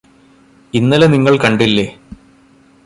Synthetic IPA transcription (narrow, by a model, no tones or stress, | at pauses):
inːɐleniŋːɐɭkɐɳɖilːe